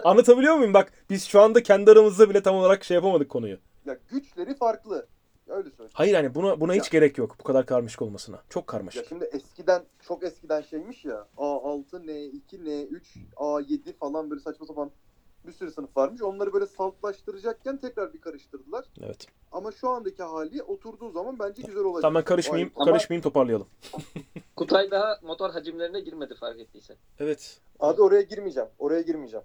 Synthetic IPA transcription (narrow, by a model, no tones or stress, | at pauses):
anːˠat̪ʰabilʲijo̞ɾmujumbak | b̥iz̥ʃuand̪acʰɛnd̪iaɾɯmɯzd̪abilʲɛt̪amolˠaɾakʃejapamad̪ɯkʰːo̞nujʊ̰ | jaɟyt͡ʃlʲe̞ɾifaɾklˠɯ | øjlʲɛsøhajɯɾhanibunabunahit͡ʃɟe̞ɾɛcjokbukʰad̪aɾkʰaɾmaʃɯ̥ko̞lˠmasɯna̰t͡ʃʰo̞kʰːa̰ɾma̰ʃjɯʃkimd̪iʔɛscid̪ænt͡ʃʰo̞kɛscid̪ænʃejmiʃjaaːalˠt̪ʰɯnɛicʰinɛyt͡ʃaːjed̪ifalˠanbøːlʲɛsat͡ʃmat̪ʰapanbisyɾɛsɯnɯfvˠaɾmɯʃo̞nlˠaɾɯbøːlʲɛsalˠk̪lˠaʃt̪ɯɾɯd͡ʒak̚cʰænt̪ʰɛcɾaɾbikʰaɾɯʃt̪ɯɾd̪ɯlˠaɾ̥ḛvɛ̰t̪ | amaʃuand̪aciɦaːlʲiʔo̞t̪ʰuɾd̪uːzamanbænd͡ʒɛɟyzæɾoad͡ʒ̪amænkʰaɾɯʃmajimkʰaɾɯʃmajimt̪ʰo̞paɾlˠɯjalˠɯm | kʰut̪ʰajd̪aɦamo̞t̪ʰoɾɦad͡ʒimlʲe̞ɾinɛɟiɾmed̪ifaɾkɛt̪ʰːiːsɛ | evɛt̪ | ad̪io̞ɾajaɟiɾmid͡ʒɛmo̞ɾajaɟiɾmid͡ʒam